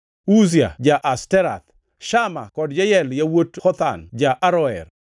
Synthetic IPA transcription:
us̬ia̰d͡ʒaʔastɛɾa̰t̪̚ | ʃama̰kɔdd͡ʒajɛljawotxɔt̪a̰nd͡ʒaʔaɾɔɛr

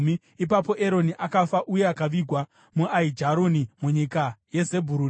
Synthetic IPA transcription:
mi | ipapo̞ʔeɾo̞niʔakafaʔuje̞akaʋiɡʱwa | muaid͡ʒaɾonimuɲikaje̞ze̞bʱuɾuːn

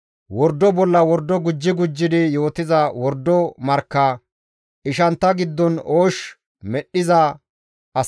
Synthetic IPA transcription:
wɔɾd̪ːɔbɔlːɐwɔɾd̪ːɔɡʊd͡ʒːɪɡʊd͡ʒːɪd̪ɪjo̞ːt̪ɪzɐwɔɾd̪ːɔmɐɾkːɐ | ʔɪʃɐnt̪ːɐɡɪd̪ːɔnoːʃ | mɛɗːɪzɐ | ʔɐ

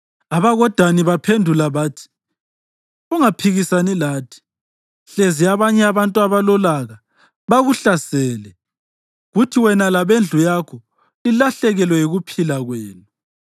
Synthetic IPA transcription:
aβaɣɔd̥ʱaniβapʰendʱulaβaːtʰi̥ | uŋapʰiɣisanilaːtʰi̥ | ɬeziaβaɲɛaβantʼuaβalɔlaɣa | βaɣuɬasɛːlɛ | ɣutʰiwɛnalaβend͡ɮʱujakʰɔ | lilaɬɛɣɛlwɛjiɣupʰilaɣwɛːnu

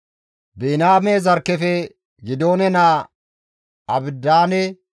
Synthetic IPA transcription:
beːnaːmeːzɐɾkːɛfɛ | ɡɪd̪o̞ːnɛnaː | ɐbɪd̪ːaːnɛ

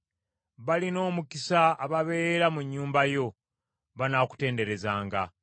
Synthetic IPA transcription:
βalino̞ːmukisaːβaβe̞ːɾamuɲːuːmbajo̞ | βanaku̥te̞ːnde̞ɾe̞zaːŋɡa

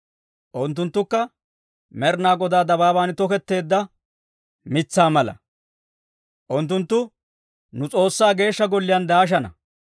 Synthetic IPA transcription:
ʔɔnt̪̬ːʊnt̪ːʊkːɐ | mɛɾnaːɡɔd̪aːd̪ɐbaːbaːnt̪ɔkɛt̪ːe̞ːd̪ːɐ | mɪt͡sːaːmɐlɐ̰ | ʔɔnt̪ːʊnt̪ːʊ | nʊt͡sʼo̞ːsːaːɡe̞ːʃːɐɡɔlːɪjɐnd̪aːʃ̬ɐnɐ̰

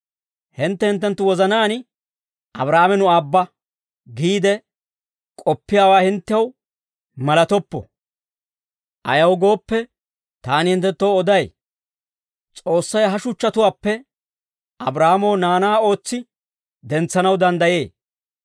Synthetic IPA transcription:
hɪnt̪ːɛhɪnt̪ːɛnt̪ːʊwɔzɐnaːn | ʔɐbɾaːmɛnʊaːbːɐ | ɡiːd̪ɛ | kʼɔpːɪjaːwaːhɪnt̪ːɪjɐw | mɐlɐt̪ɔpːɔ̰ | ʔɐ̰jɐwɡo̞ːpːɛ | t̪aːnɪhɪnt̪ːɛt̪ːowɔd̪ɐj | t͡sʼo̞ːsːɐjɦɐʃʊt͡ʃːɐt̪ʊwaːpːɛ | ʔɐ̰bɾaːmɔwnaːnaːo̞ːt͡sːɪ | d̪ɛnt͡sːɐnɐwd̪ɐnd̪ɐje̞ː

